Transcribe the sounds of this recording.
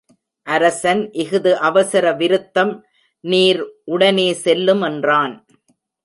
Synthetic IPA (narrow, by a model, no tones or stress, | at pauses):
ʔɐɾɐsɐnʔɪɣɯðɯʔɐʋɐsɐɾɐʋɪɾɯt̪ːɐm | niːɾʔʊɽɐneːsɛlːɯmɛndraːn